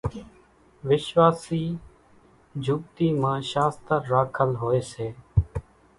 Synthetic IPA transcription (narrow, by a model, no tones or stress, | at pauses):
ʋɪʃʋaːsiː | d͡ʒʱuːb̚t̪iːmãːʃaːst̪əɾːaːkʰəlɦoːeːseː